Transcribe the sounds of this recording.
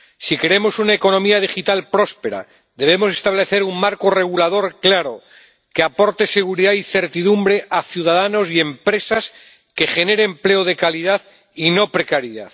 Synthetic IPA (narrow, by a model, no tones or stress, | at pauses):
sikɾeemo̞sunaeko̞no̞miað̞ixit̪alpɾo̞spe̞ɾa̰ | ðe̞β̞e̞mo̞s̬e̞st̪aβle̞θe̞ɾuŋmaɾkore̞ɣ̞ulað̞o̞ɾklaɾo̰ | keapo̞ɾt̪ese̞ɣuɾiðaiθe̞ɾt̪iðumbɾe̞ʔaθjuð̞aðano̞sie̞mpɾe̞sas | ke̞χe̞ne̞ɾemple̞oð̞e̞kaliðað | ino̞pɾe̞kaɾiða̰ð